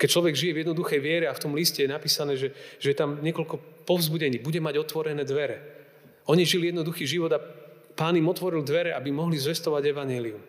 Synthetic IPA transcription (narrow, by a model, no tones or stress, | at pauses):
kɛc̚t͡ʃlɔʋɛɡʒijɛvjɛd̪nɔd̪uxɛjʋɪɛɾɛaft̪ɔmliscɛjɛnapiːsanɛːʒɛʒ̥ɛjɛt̪amɲɪɛkɔlkɔpɔvzbuɟɛɲiːbuɟɛmaɟɔt̪ʋɔɾɛnɛːd̪ʋɛɾɛ | ɔɲiʒilijɛd̪nɔd̪uxiːʒiʋɔd̪apaːnimɔt̪ʋɔɾild̪ʋɛɾɛʔa̰bimɔɦlizʋɛst̪ɔʋaɟɛʋaɲɪɛlium